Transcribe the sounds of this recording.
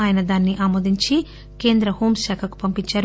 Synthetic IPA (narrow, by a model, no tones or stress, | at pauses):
aːjɐnɐd̪aːnːiʔaːmoːd̪iɲt͡ʃi | ke̞ːnd̪ɾɐhoːmʃaːkʰɐku̥pɐmpiɲt͡ʃːaːɾ